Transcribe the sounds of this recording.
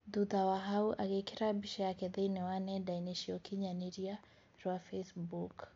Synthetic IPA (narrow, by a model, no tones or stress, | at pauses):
d̪uðawaɦauʔaɡɛkiɾabiʃajakɛðɛinɛwanɛdainiʃiɔkiɲaniɾia | ɾɔafɛsbuk